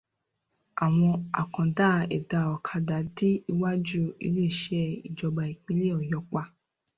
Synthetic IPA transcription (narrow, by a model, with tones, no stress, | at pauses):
a˨w̃ɔ̃˧a̰˨kã˨da˦ɛ̰˨da˧ɔ˨kʰa˧da˨di˦i˧wa˦d͡ʒu˦ḭ˧le˦˨ʃɛ˦ḭ˨d͡ʒɔ˧ba˨i˨k͡pĩ˧˦le˦ɔ˨jɔ˧˦k͡pa˧